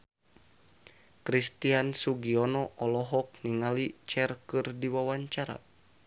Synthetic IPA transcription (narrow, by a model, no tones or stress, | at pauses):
kɾist̪iansuɡiɔnɔʔɔlɔɦɔk̚niŋalit͡ʃɛrkɨrdiwawaɲt͡ʃaɾa̰